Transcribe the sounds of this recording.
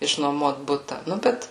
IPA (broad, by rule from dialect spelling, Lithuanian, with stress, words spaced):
ɪʃnuɔˈmuɔt ˈbʊtɐ ˈnʊ ˈbʲɛt